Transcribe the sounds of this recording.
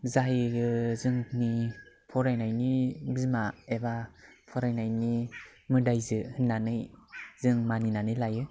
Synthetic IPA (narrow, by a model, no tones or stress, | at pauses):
zajɡɯzɯŋni | pʰɔɾajnajniɡzimaebapʰɔɾajnajni | mɯdajzɯhɯnːanɯjz̥ɯŋmaninanɯjlajɯ